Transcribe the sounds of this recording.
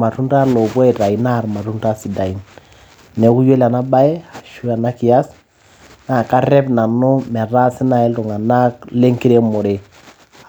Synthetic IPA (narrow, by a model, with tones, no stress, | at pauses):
ma˨tu˦nta˦ɾlo˨bwe˦˨ta˨i˨na˦˨ɾma˨tu˦nta˦si˨da˨i˨˦n | nɛ˨˦ku˦je˦la˨na˦ba˦ɛ˦a˨ʃu˦a˨na˦ki˨ja˦s | na˨ka˦ɾɛ˦pna˨nʊ˦mɛ˨ɾa˦si˦na˨ɛ˦ltu˨ŋa˨na˦kle˦ŋki˦ɾe˦mɔ˨ɾe˨